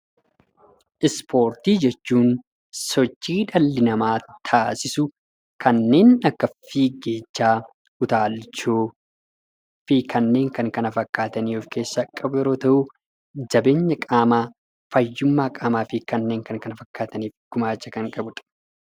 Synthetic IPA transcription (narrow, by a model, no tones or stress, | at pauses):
ʔɪspʰo̞ːɾt̪iːd͡ʒɛt͡ʃːuːn | sɔt͡ʃːiːᶑɐlːɪnɐmaːt̪ʰaːsɪsʊ | kʰɐnːe̞ːnɐkːɐfiːɡe̞ːt͡ʃːaː | ʊt̪aːlt͡ʃoː | fɪkɐnːe̞ːŋkɐŋkɐnɐfɐkːaːt̪ɐniːɔfke̞ːsːɐkʼːɐbʊjɛɾoːt̪ɐʔʊ | d͡ʒɐbe̞ːɲːɐkʼaːmaː | fɐjːʊmːaːkʼaːmaːfɪkɐnːe̞ːŋkɐŋkɐnɐfɐkːaːt̪ɐniːfɡ̥ʊmaːt͡ʃːɐkɐŋkʼɐbʊt̪ʼɐ̥